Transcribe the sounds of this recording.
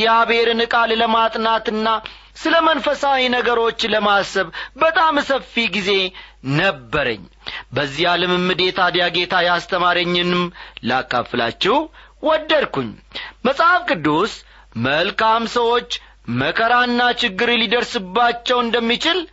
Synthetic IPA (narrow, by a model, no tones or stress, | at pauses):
jaβe̞ɾɨnɨkʼalləmat̪ʼnat̪ɨnːa | sɨləmənfəsawinəɡəɾo̞t͡ʃːləmasəβbət̪ʼamsəfːiɡize̞nəbːəɾə̰ɲː | bəzːijaləmɨmːɨd̪e̞t̪ʰad̪jaɡe̞t̪ʰajast̪ʰəmaɾəɲːɨnɨmla̰kːa̰fːəla̰t͡ʃːɛw | wɔd̪ːəlkuɲːməsʼafkʼɨd̪ːus | məlkamsəwo̞t͡ʃː | məkʰəɾanːat͡ʃɪɡːɨɾlid̪əɾsɨbːat͡ʃːɛwɨnd̪əmːit͡ʃɪl